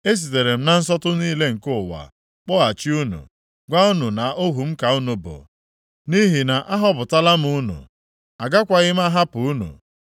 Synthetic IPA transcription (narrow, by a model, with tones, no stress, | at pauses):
e˦s̬i˨te˨ɾe˨m̩˦na˨n̩˦sɔ˦tʊ˦niː˦le˦ŋ̩˨kʊ˦˨wa̰˨ | k͡pɔ˦a˨t͡ʃi˦u˦nṵ˨ | ɡʷa˦u˦nu˨na˨o˦ɦu˨m̩˦ka˨u˦nu˨bʊ̰˨ | ni˦ɦi˨na˨ʔa˦ɦɔ˦bʊ˨ta˦la˦m̩˦u˦nṵ˨ | a˨ɡa˦kʷa˨ɣɪ˦m̩˦a˦ɦa˦pʊ˨u˦nṵ˨